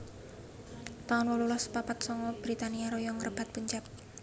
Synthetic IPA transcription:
t̪aɔnwɔlulɔspapat̪̚sɔŋɔb̥ɾit̪aniaɾojɔŋərb̥a̤t̪̚puɲt͡ʃɛp̚

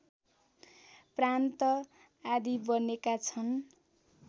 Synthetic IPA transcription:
prant̪ʌ | ad̪ibʌnekat͡sʰʌn

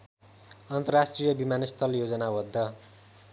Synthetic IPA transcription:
ʌnt̪ʌrasʈrijʌbimanʌst̪ʰʌljod͡zʌnabʌd̪ʱːʌ

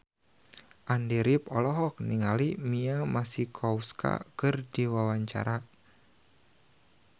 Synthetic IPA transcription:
ʔandiɾipɔlɔɦɔk̚niŋalimiamasikʰɔuskʰa̰kɨrdiwawaɲt͡ʃa̰ɾa

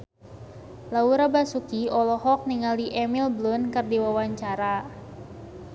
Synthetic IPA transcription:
lauɾabasukiɔlɔɦɔk̚niŋaliʔɛmilblʊnkɨrdiwawaɲt͡ʃaɾa

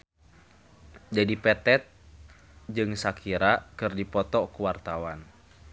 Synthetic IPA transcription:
d͡ʒadipɛt̪ɛt̪̚ | d͡ʒɨŋsakʰiɾakɨrdipɔt̪ɔkuwart̪awan

